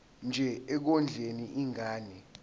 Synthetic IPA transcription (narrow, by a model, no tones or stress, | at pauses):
nd͡ʒʱɛɛk̬ɔnd͡ɮʱeniʔiŋaːnɛ